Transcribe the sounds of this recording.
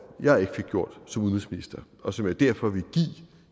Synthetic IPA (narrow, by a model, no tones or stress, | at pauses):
jɑ̈æe̝ɡ̥ə̥fe̝ɡ̥̚ɡ̥jo̝ɐ̰d̥sɒ̽muðnʁɛsminisd̥ɐ | ɒ̽sɒ̽mæd̥æɐ̰fɒ̽ʋiɡ̥ḭː